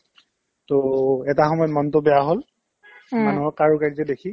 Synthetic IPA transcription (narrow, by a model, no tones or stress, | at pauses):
toɛtaxɔmɔjɔt̚mɔntʊbɛjaɦol | manuɦɔkaɹukaɹizɛdekʰi